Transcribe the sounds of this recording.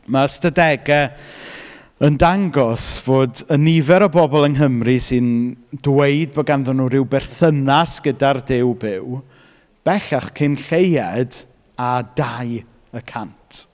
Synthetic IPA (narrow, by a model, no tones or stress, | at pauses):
mastadɛɡɛ | əndaŋɡɔsvoːdənivɛɾɔbɔbɔlˠənɦəmrɨsɨndweɨd̚bɔɡanðɔnːuɾɪwbɛrθənasɡ̥ədardɪwbɪw | b̥ɛɬaχkʰɪnɬejɛd | adaj | əkʰantʰ